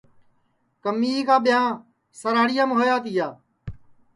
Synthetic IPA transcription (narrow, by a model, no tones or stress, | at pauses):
kəmːiːkaːɓɪjãː | səɾaːɽɪjãːmɦoːjaːt̪ɪjaː